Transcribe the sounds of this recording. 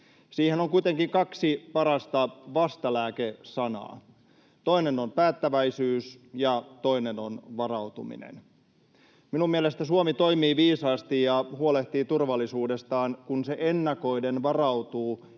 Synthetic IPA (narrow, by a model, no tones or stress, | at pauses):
siːhenoŋkuit̪eŋkiŋkɑksipɑɾɑst̪ɑʋɑst̪ɑlæːkesɑnɑ̰ː | t̪o̞ine̞nompæːt̪ːæʋæisyːsjɑt̪o̞ine̞nonʋɑrɑut̪ṵmḭnḛn | minummielest̪æsuomit̪o̞jmiːʋiːsɑːst̪ijɑhuoleht̪iːt̪urʋɑlːˑisuːde̞st̪ɑːnkunseʔenːɑko̞jdenʋɑrɑwt̪uː